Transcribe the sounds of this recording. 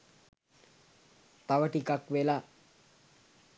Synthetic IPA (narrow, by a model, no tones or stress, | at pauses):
t̪aʋəʈikakʋela